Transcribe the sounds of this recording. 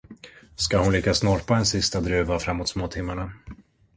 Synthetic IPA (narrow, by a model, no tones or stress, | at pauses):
skahʊnlʏkːasnɔɾpaɛnsɪst̪ad̪ɾʉ̟ːvafɾamːoːt̪smoːt̪ʰɪmːaɳa